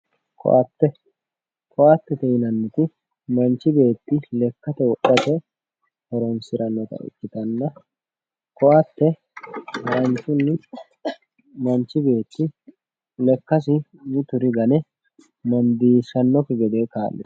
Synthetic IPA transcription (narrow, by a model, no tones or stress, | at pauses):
kʰɔ̰ʔɐt̪ːɛ | kʰɔʔɐt̪ːɛt̪ɛjɪnɐnːɪt̪ɪ | mɐnt͡ʃːɪbe̞ːt̪ːɪlɛkːɐt̪ɛwɔɗɐt̪ɛ | hɔɾɔnsɪɾɐnːɔt̪ɐ̰ʔɪ̰kːɪt̪ɐnːɐ | kɔʔɐt̪ːɛ | mɐnt͡ʃːʊnːɪ | mɐnt͡ʃːɪbe̞ːt̪ːɪ | lɛkːɐsɪ | nɪt̪ʊɾɪɡɐnɛ | mɐnd̪iːʃɐnːɔkɪɡɛd̪ekaːlːɪ̥